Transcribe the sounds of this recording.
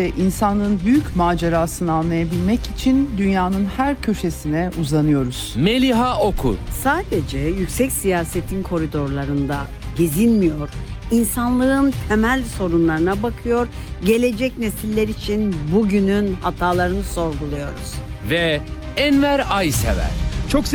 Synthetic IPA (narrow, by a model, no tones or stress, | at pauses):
ɛʔinsanɯnbyjycmaːd͡ʒeɾaːsɯnɯanlːˠajabilʲmɛcit͡ʃʰind̪ynjaːnɯnhæɾcʰø̞ʃe̞sinɛuzanɯjo̞ɾuz̥melʲiɦaʔokʰṵsaːd̪e̞d͡ʒɛjycʲsɛcsijaːset̪ʰinkʰo̞ɾid̪o̞ɾlˠaɾɯnd̪a | ɟezinmijo̞ɾ̥insanlˠɯɯnt̪ʰe̞mælʲso̞ɾunlˠaɾɯnabakʰɯjo̞ɾ | ɟe̞lʲe̞d͡ʒɛcne̞silʲːeɾit͡ʃʰinbuɟynynhat̪ʰaːlˠaɾɯnɯso̞ɾɡulˠujo̞ɾṵz̥ | vɛ | ænvæɾajsḛvæ̰ɾ̥t͡ʃʰok